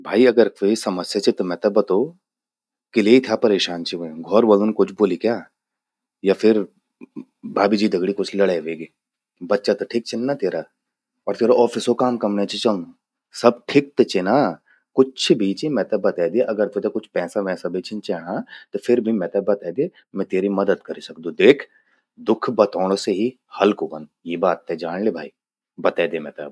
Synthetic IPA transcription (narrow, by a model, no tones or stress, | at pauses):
bʱaːiɐɡəɾɪsɐməsjat͡ʃʰet̪omɛt̪əbɐt̪oː | kɪleit̪ʰjapɐɾeːʃaːnt͡ʃʰeɦoẽɡʱɔːɾʋɐlunkʊt͡ʃʰboːlikjaː | jafʰɪɾ | bʱaːbid͡ʒiːd̪ɐɡɽikʊt͡ʃʰlɐɽaeʋeːɡe | bɐtːʃat̪oʈʰik̚t͡ʃʰɪnːat̪eːɾaː | ɔːɾt̪eːɾoʔɔːfɪsokaːmkɐmnet͡ʃʰet͡ʃɐl | sɐb̚ʈʰɪk̚t̪et͡ʃena | kʊt͡ʃʰbʱiːt͡ʃemɛ̃ːt̪ɐbɐt̪ɛːd̪eeʔɐɡəɾt̪et̪ekʊt͡ʃʰpɛːsamɛ̃ːsabʱet͡ʃɪnt͡ʃɛːɽat̪ofʰɪɾbʱimɛ̃ːt̪ɐbɐt̪aːd̪e | mɛ̃t̪eːɾimɐd̪əd̪kɐɾisɐkd̪ũd̪eːkʰ | d̪ʊkʰbɐt̪ɔːɽ̃oseɦi | hɐlkobənd̪jeːbaːt̪̚ɦɛd͡ʒaːɽlebʱa̰ːiː | bɐt̪ɛːd̪eːmɛ̃ːt̪a̰b